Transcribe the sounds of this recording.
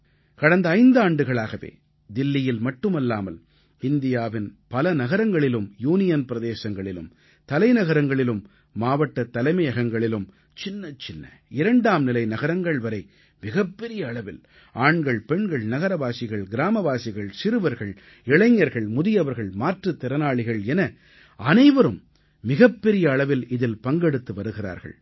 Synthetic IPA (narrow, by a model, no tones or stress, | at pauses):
kɐɽɐnd̪ɐːɪnd̪aːɳɖɯɣɐɭaːɣɐʋḛː | d̪ɪlːɪjɪlmɐʈːɯmɐlːaːmɐl | ɪnd̪ɪjaːʋɪnpɐlɐnɐɣɐɾɐŋɡɐɭɪlɯmjuːnɪjɐnpɪɾɐðeːsɐŋɡɐɭɪlɯ̰m | t̪ɐlɐɪnɐɣɐɾɐŋɡɐɭɪlɯmː | aːʋɐʈːɐt̪ːɐlɐɪmɐjɐɣɐŋɡɐɭɪlɯm | t͡ʃɪnːɐt͡ʃɪnːɐ̰ɪɾɐɳɖaːmnɪlɐɪnɐɣɐɾɐŋɡɐɭʋɐɾɐɪ | mɪɣɐpːɛɾɪjɐːɭɐʋɪl | ʔaːɳɡɐɭpɛɳɡɐɭnɐɣɐɾɐʋaːsɪɣɐɭɡɪɾaːmɐʋaːsɪɣɐɭsɪɾɯʋɐɾɣɐɭ | ɪɭɐɪŋːɐɾɣɐɭmʊðɪjɐʋɐɾɣɐɭmaːʈrɯt̪ːɪɾɐnaːɭɪɣɐɭɛnɐ | ɐnɐɪʋɐɾɯmː | ɪɣɐpːɛɾɪjɐːɭɐʋɪlɪðɪlpɐŋɡɛɽɯt̪ːɯʋɐɾɯɣɪɾa̰ːɾɣɐ̰ɭ